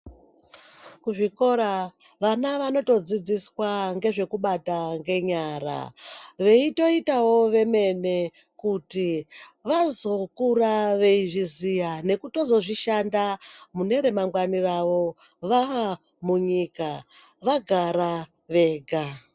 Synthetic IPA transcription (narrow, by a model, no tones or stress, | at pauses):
kuʐiko̞ɾa | ʋanaʋano̞to̞d͡zid͡ziswaŋɡe̞ʐe̞kuɓataŋɡe̞ɲaːɾa̰ʋe̞ito̞itawo̞ʋe̞me̞ne̞ | kutiʋazo̞kuraʋe̞iʐizijane̞kuto̞zo̞ʐiʃandamune̞ɾe̞maŋɡwaniraʋo̞ | ʋaɦa | muɲika | ʋaɡʱaɾa | ʋe̞ːɡʱa